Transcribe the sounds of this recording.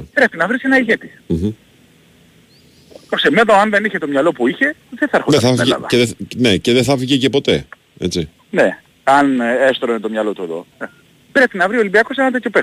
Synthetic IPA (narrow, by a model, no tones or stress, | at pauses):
pɾe̞pinɐvɾisenɐiʝet̪i̥ | m̩ | t̪oksemeðoɐnðe̞niçe̞t̪o̞mɲɐlo̞puiçe̞ðeθɐɐɾxoeɐθɐfeɐ̰ðɐ̰eðeneceðeθɐfiʝecepo̞t̪e̞ | et͡si | ne | ɐnest̪ɾonet̪o̞mɲɐlo̞t̪ueðo̞̰ | pɾe̞pinɐvɾio̞libiɐkosenɐt̪̬et̪ço̞pe